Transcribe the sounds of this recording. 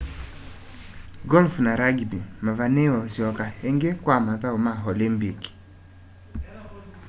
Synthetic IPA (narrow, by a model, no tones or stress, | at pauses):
ɡɔlfnaɾaɡibimavanewaosiɔkaheŋɡekwamaðaomaɦɔlimbik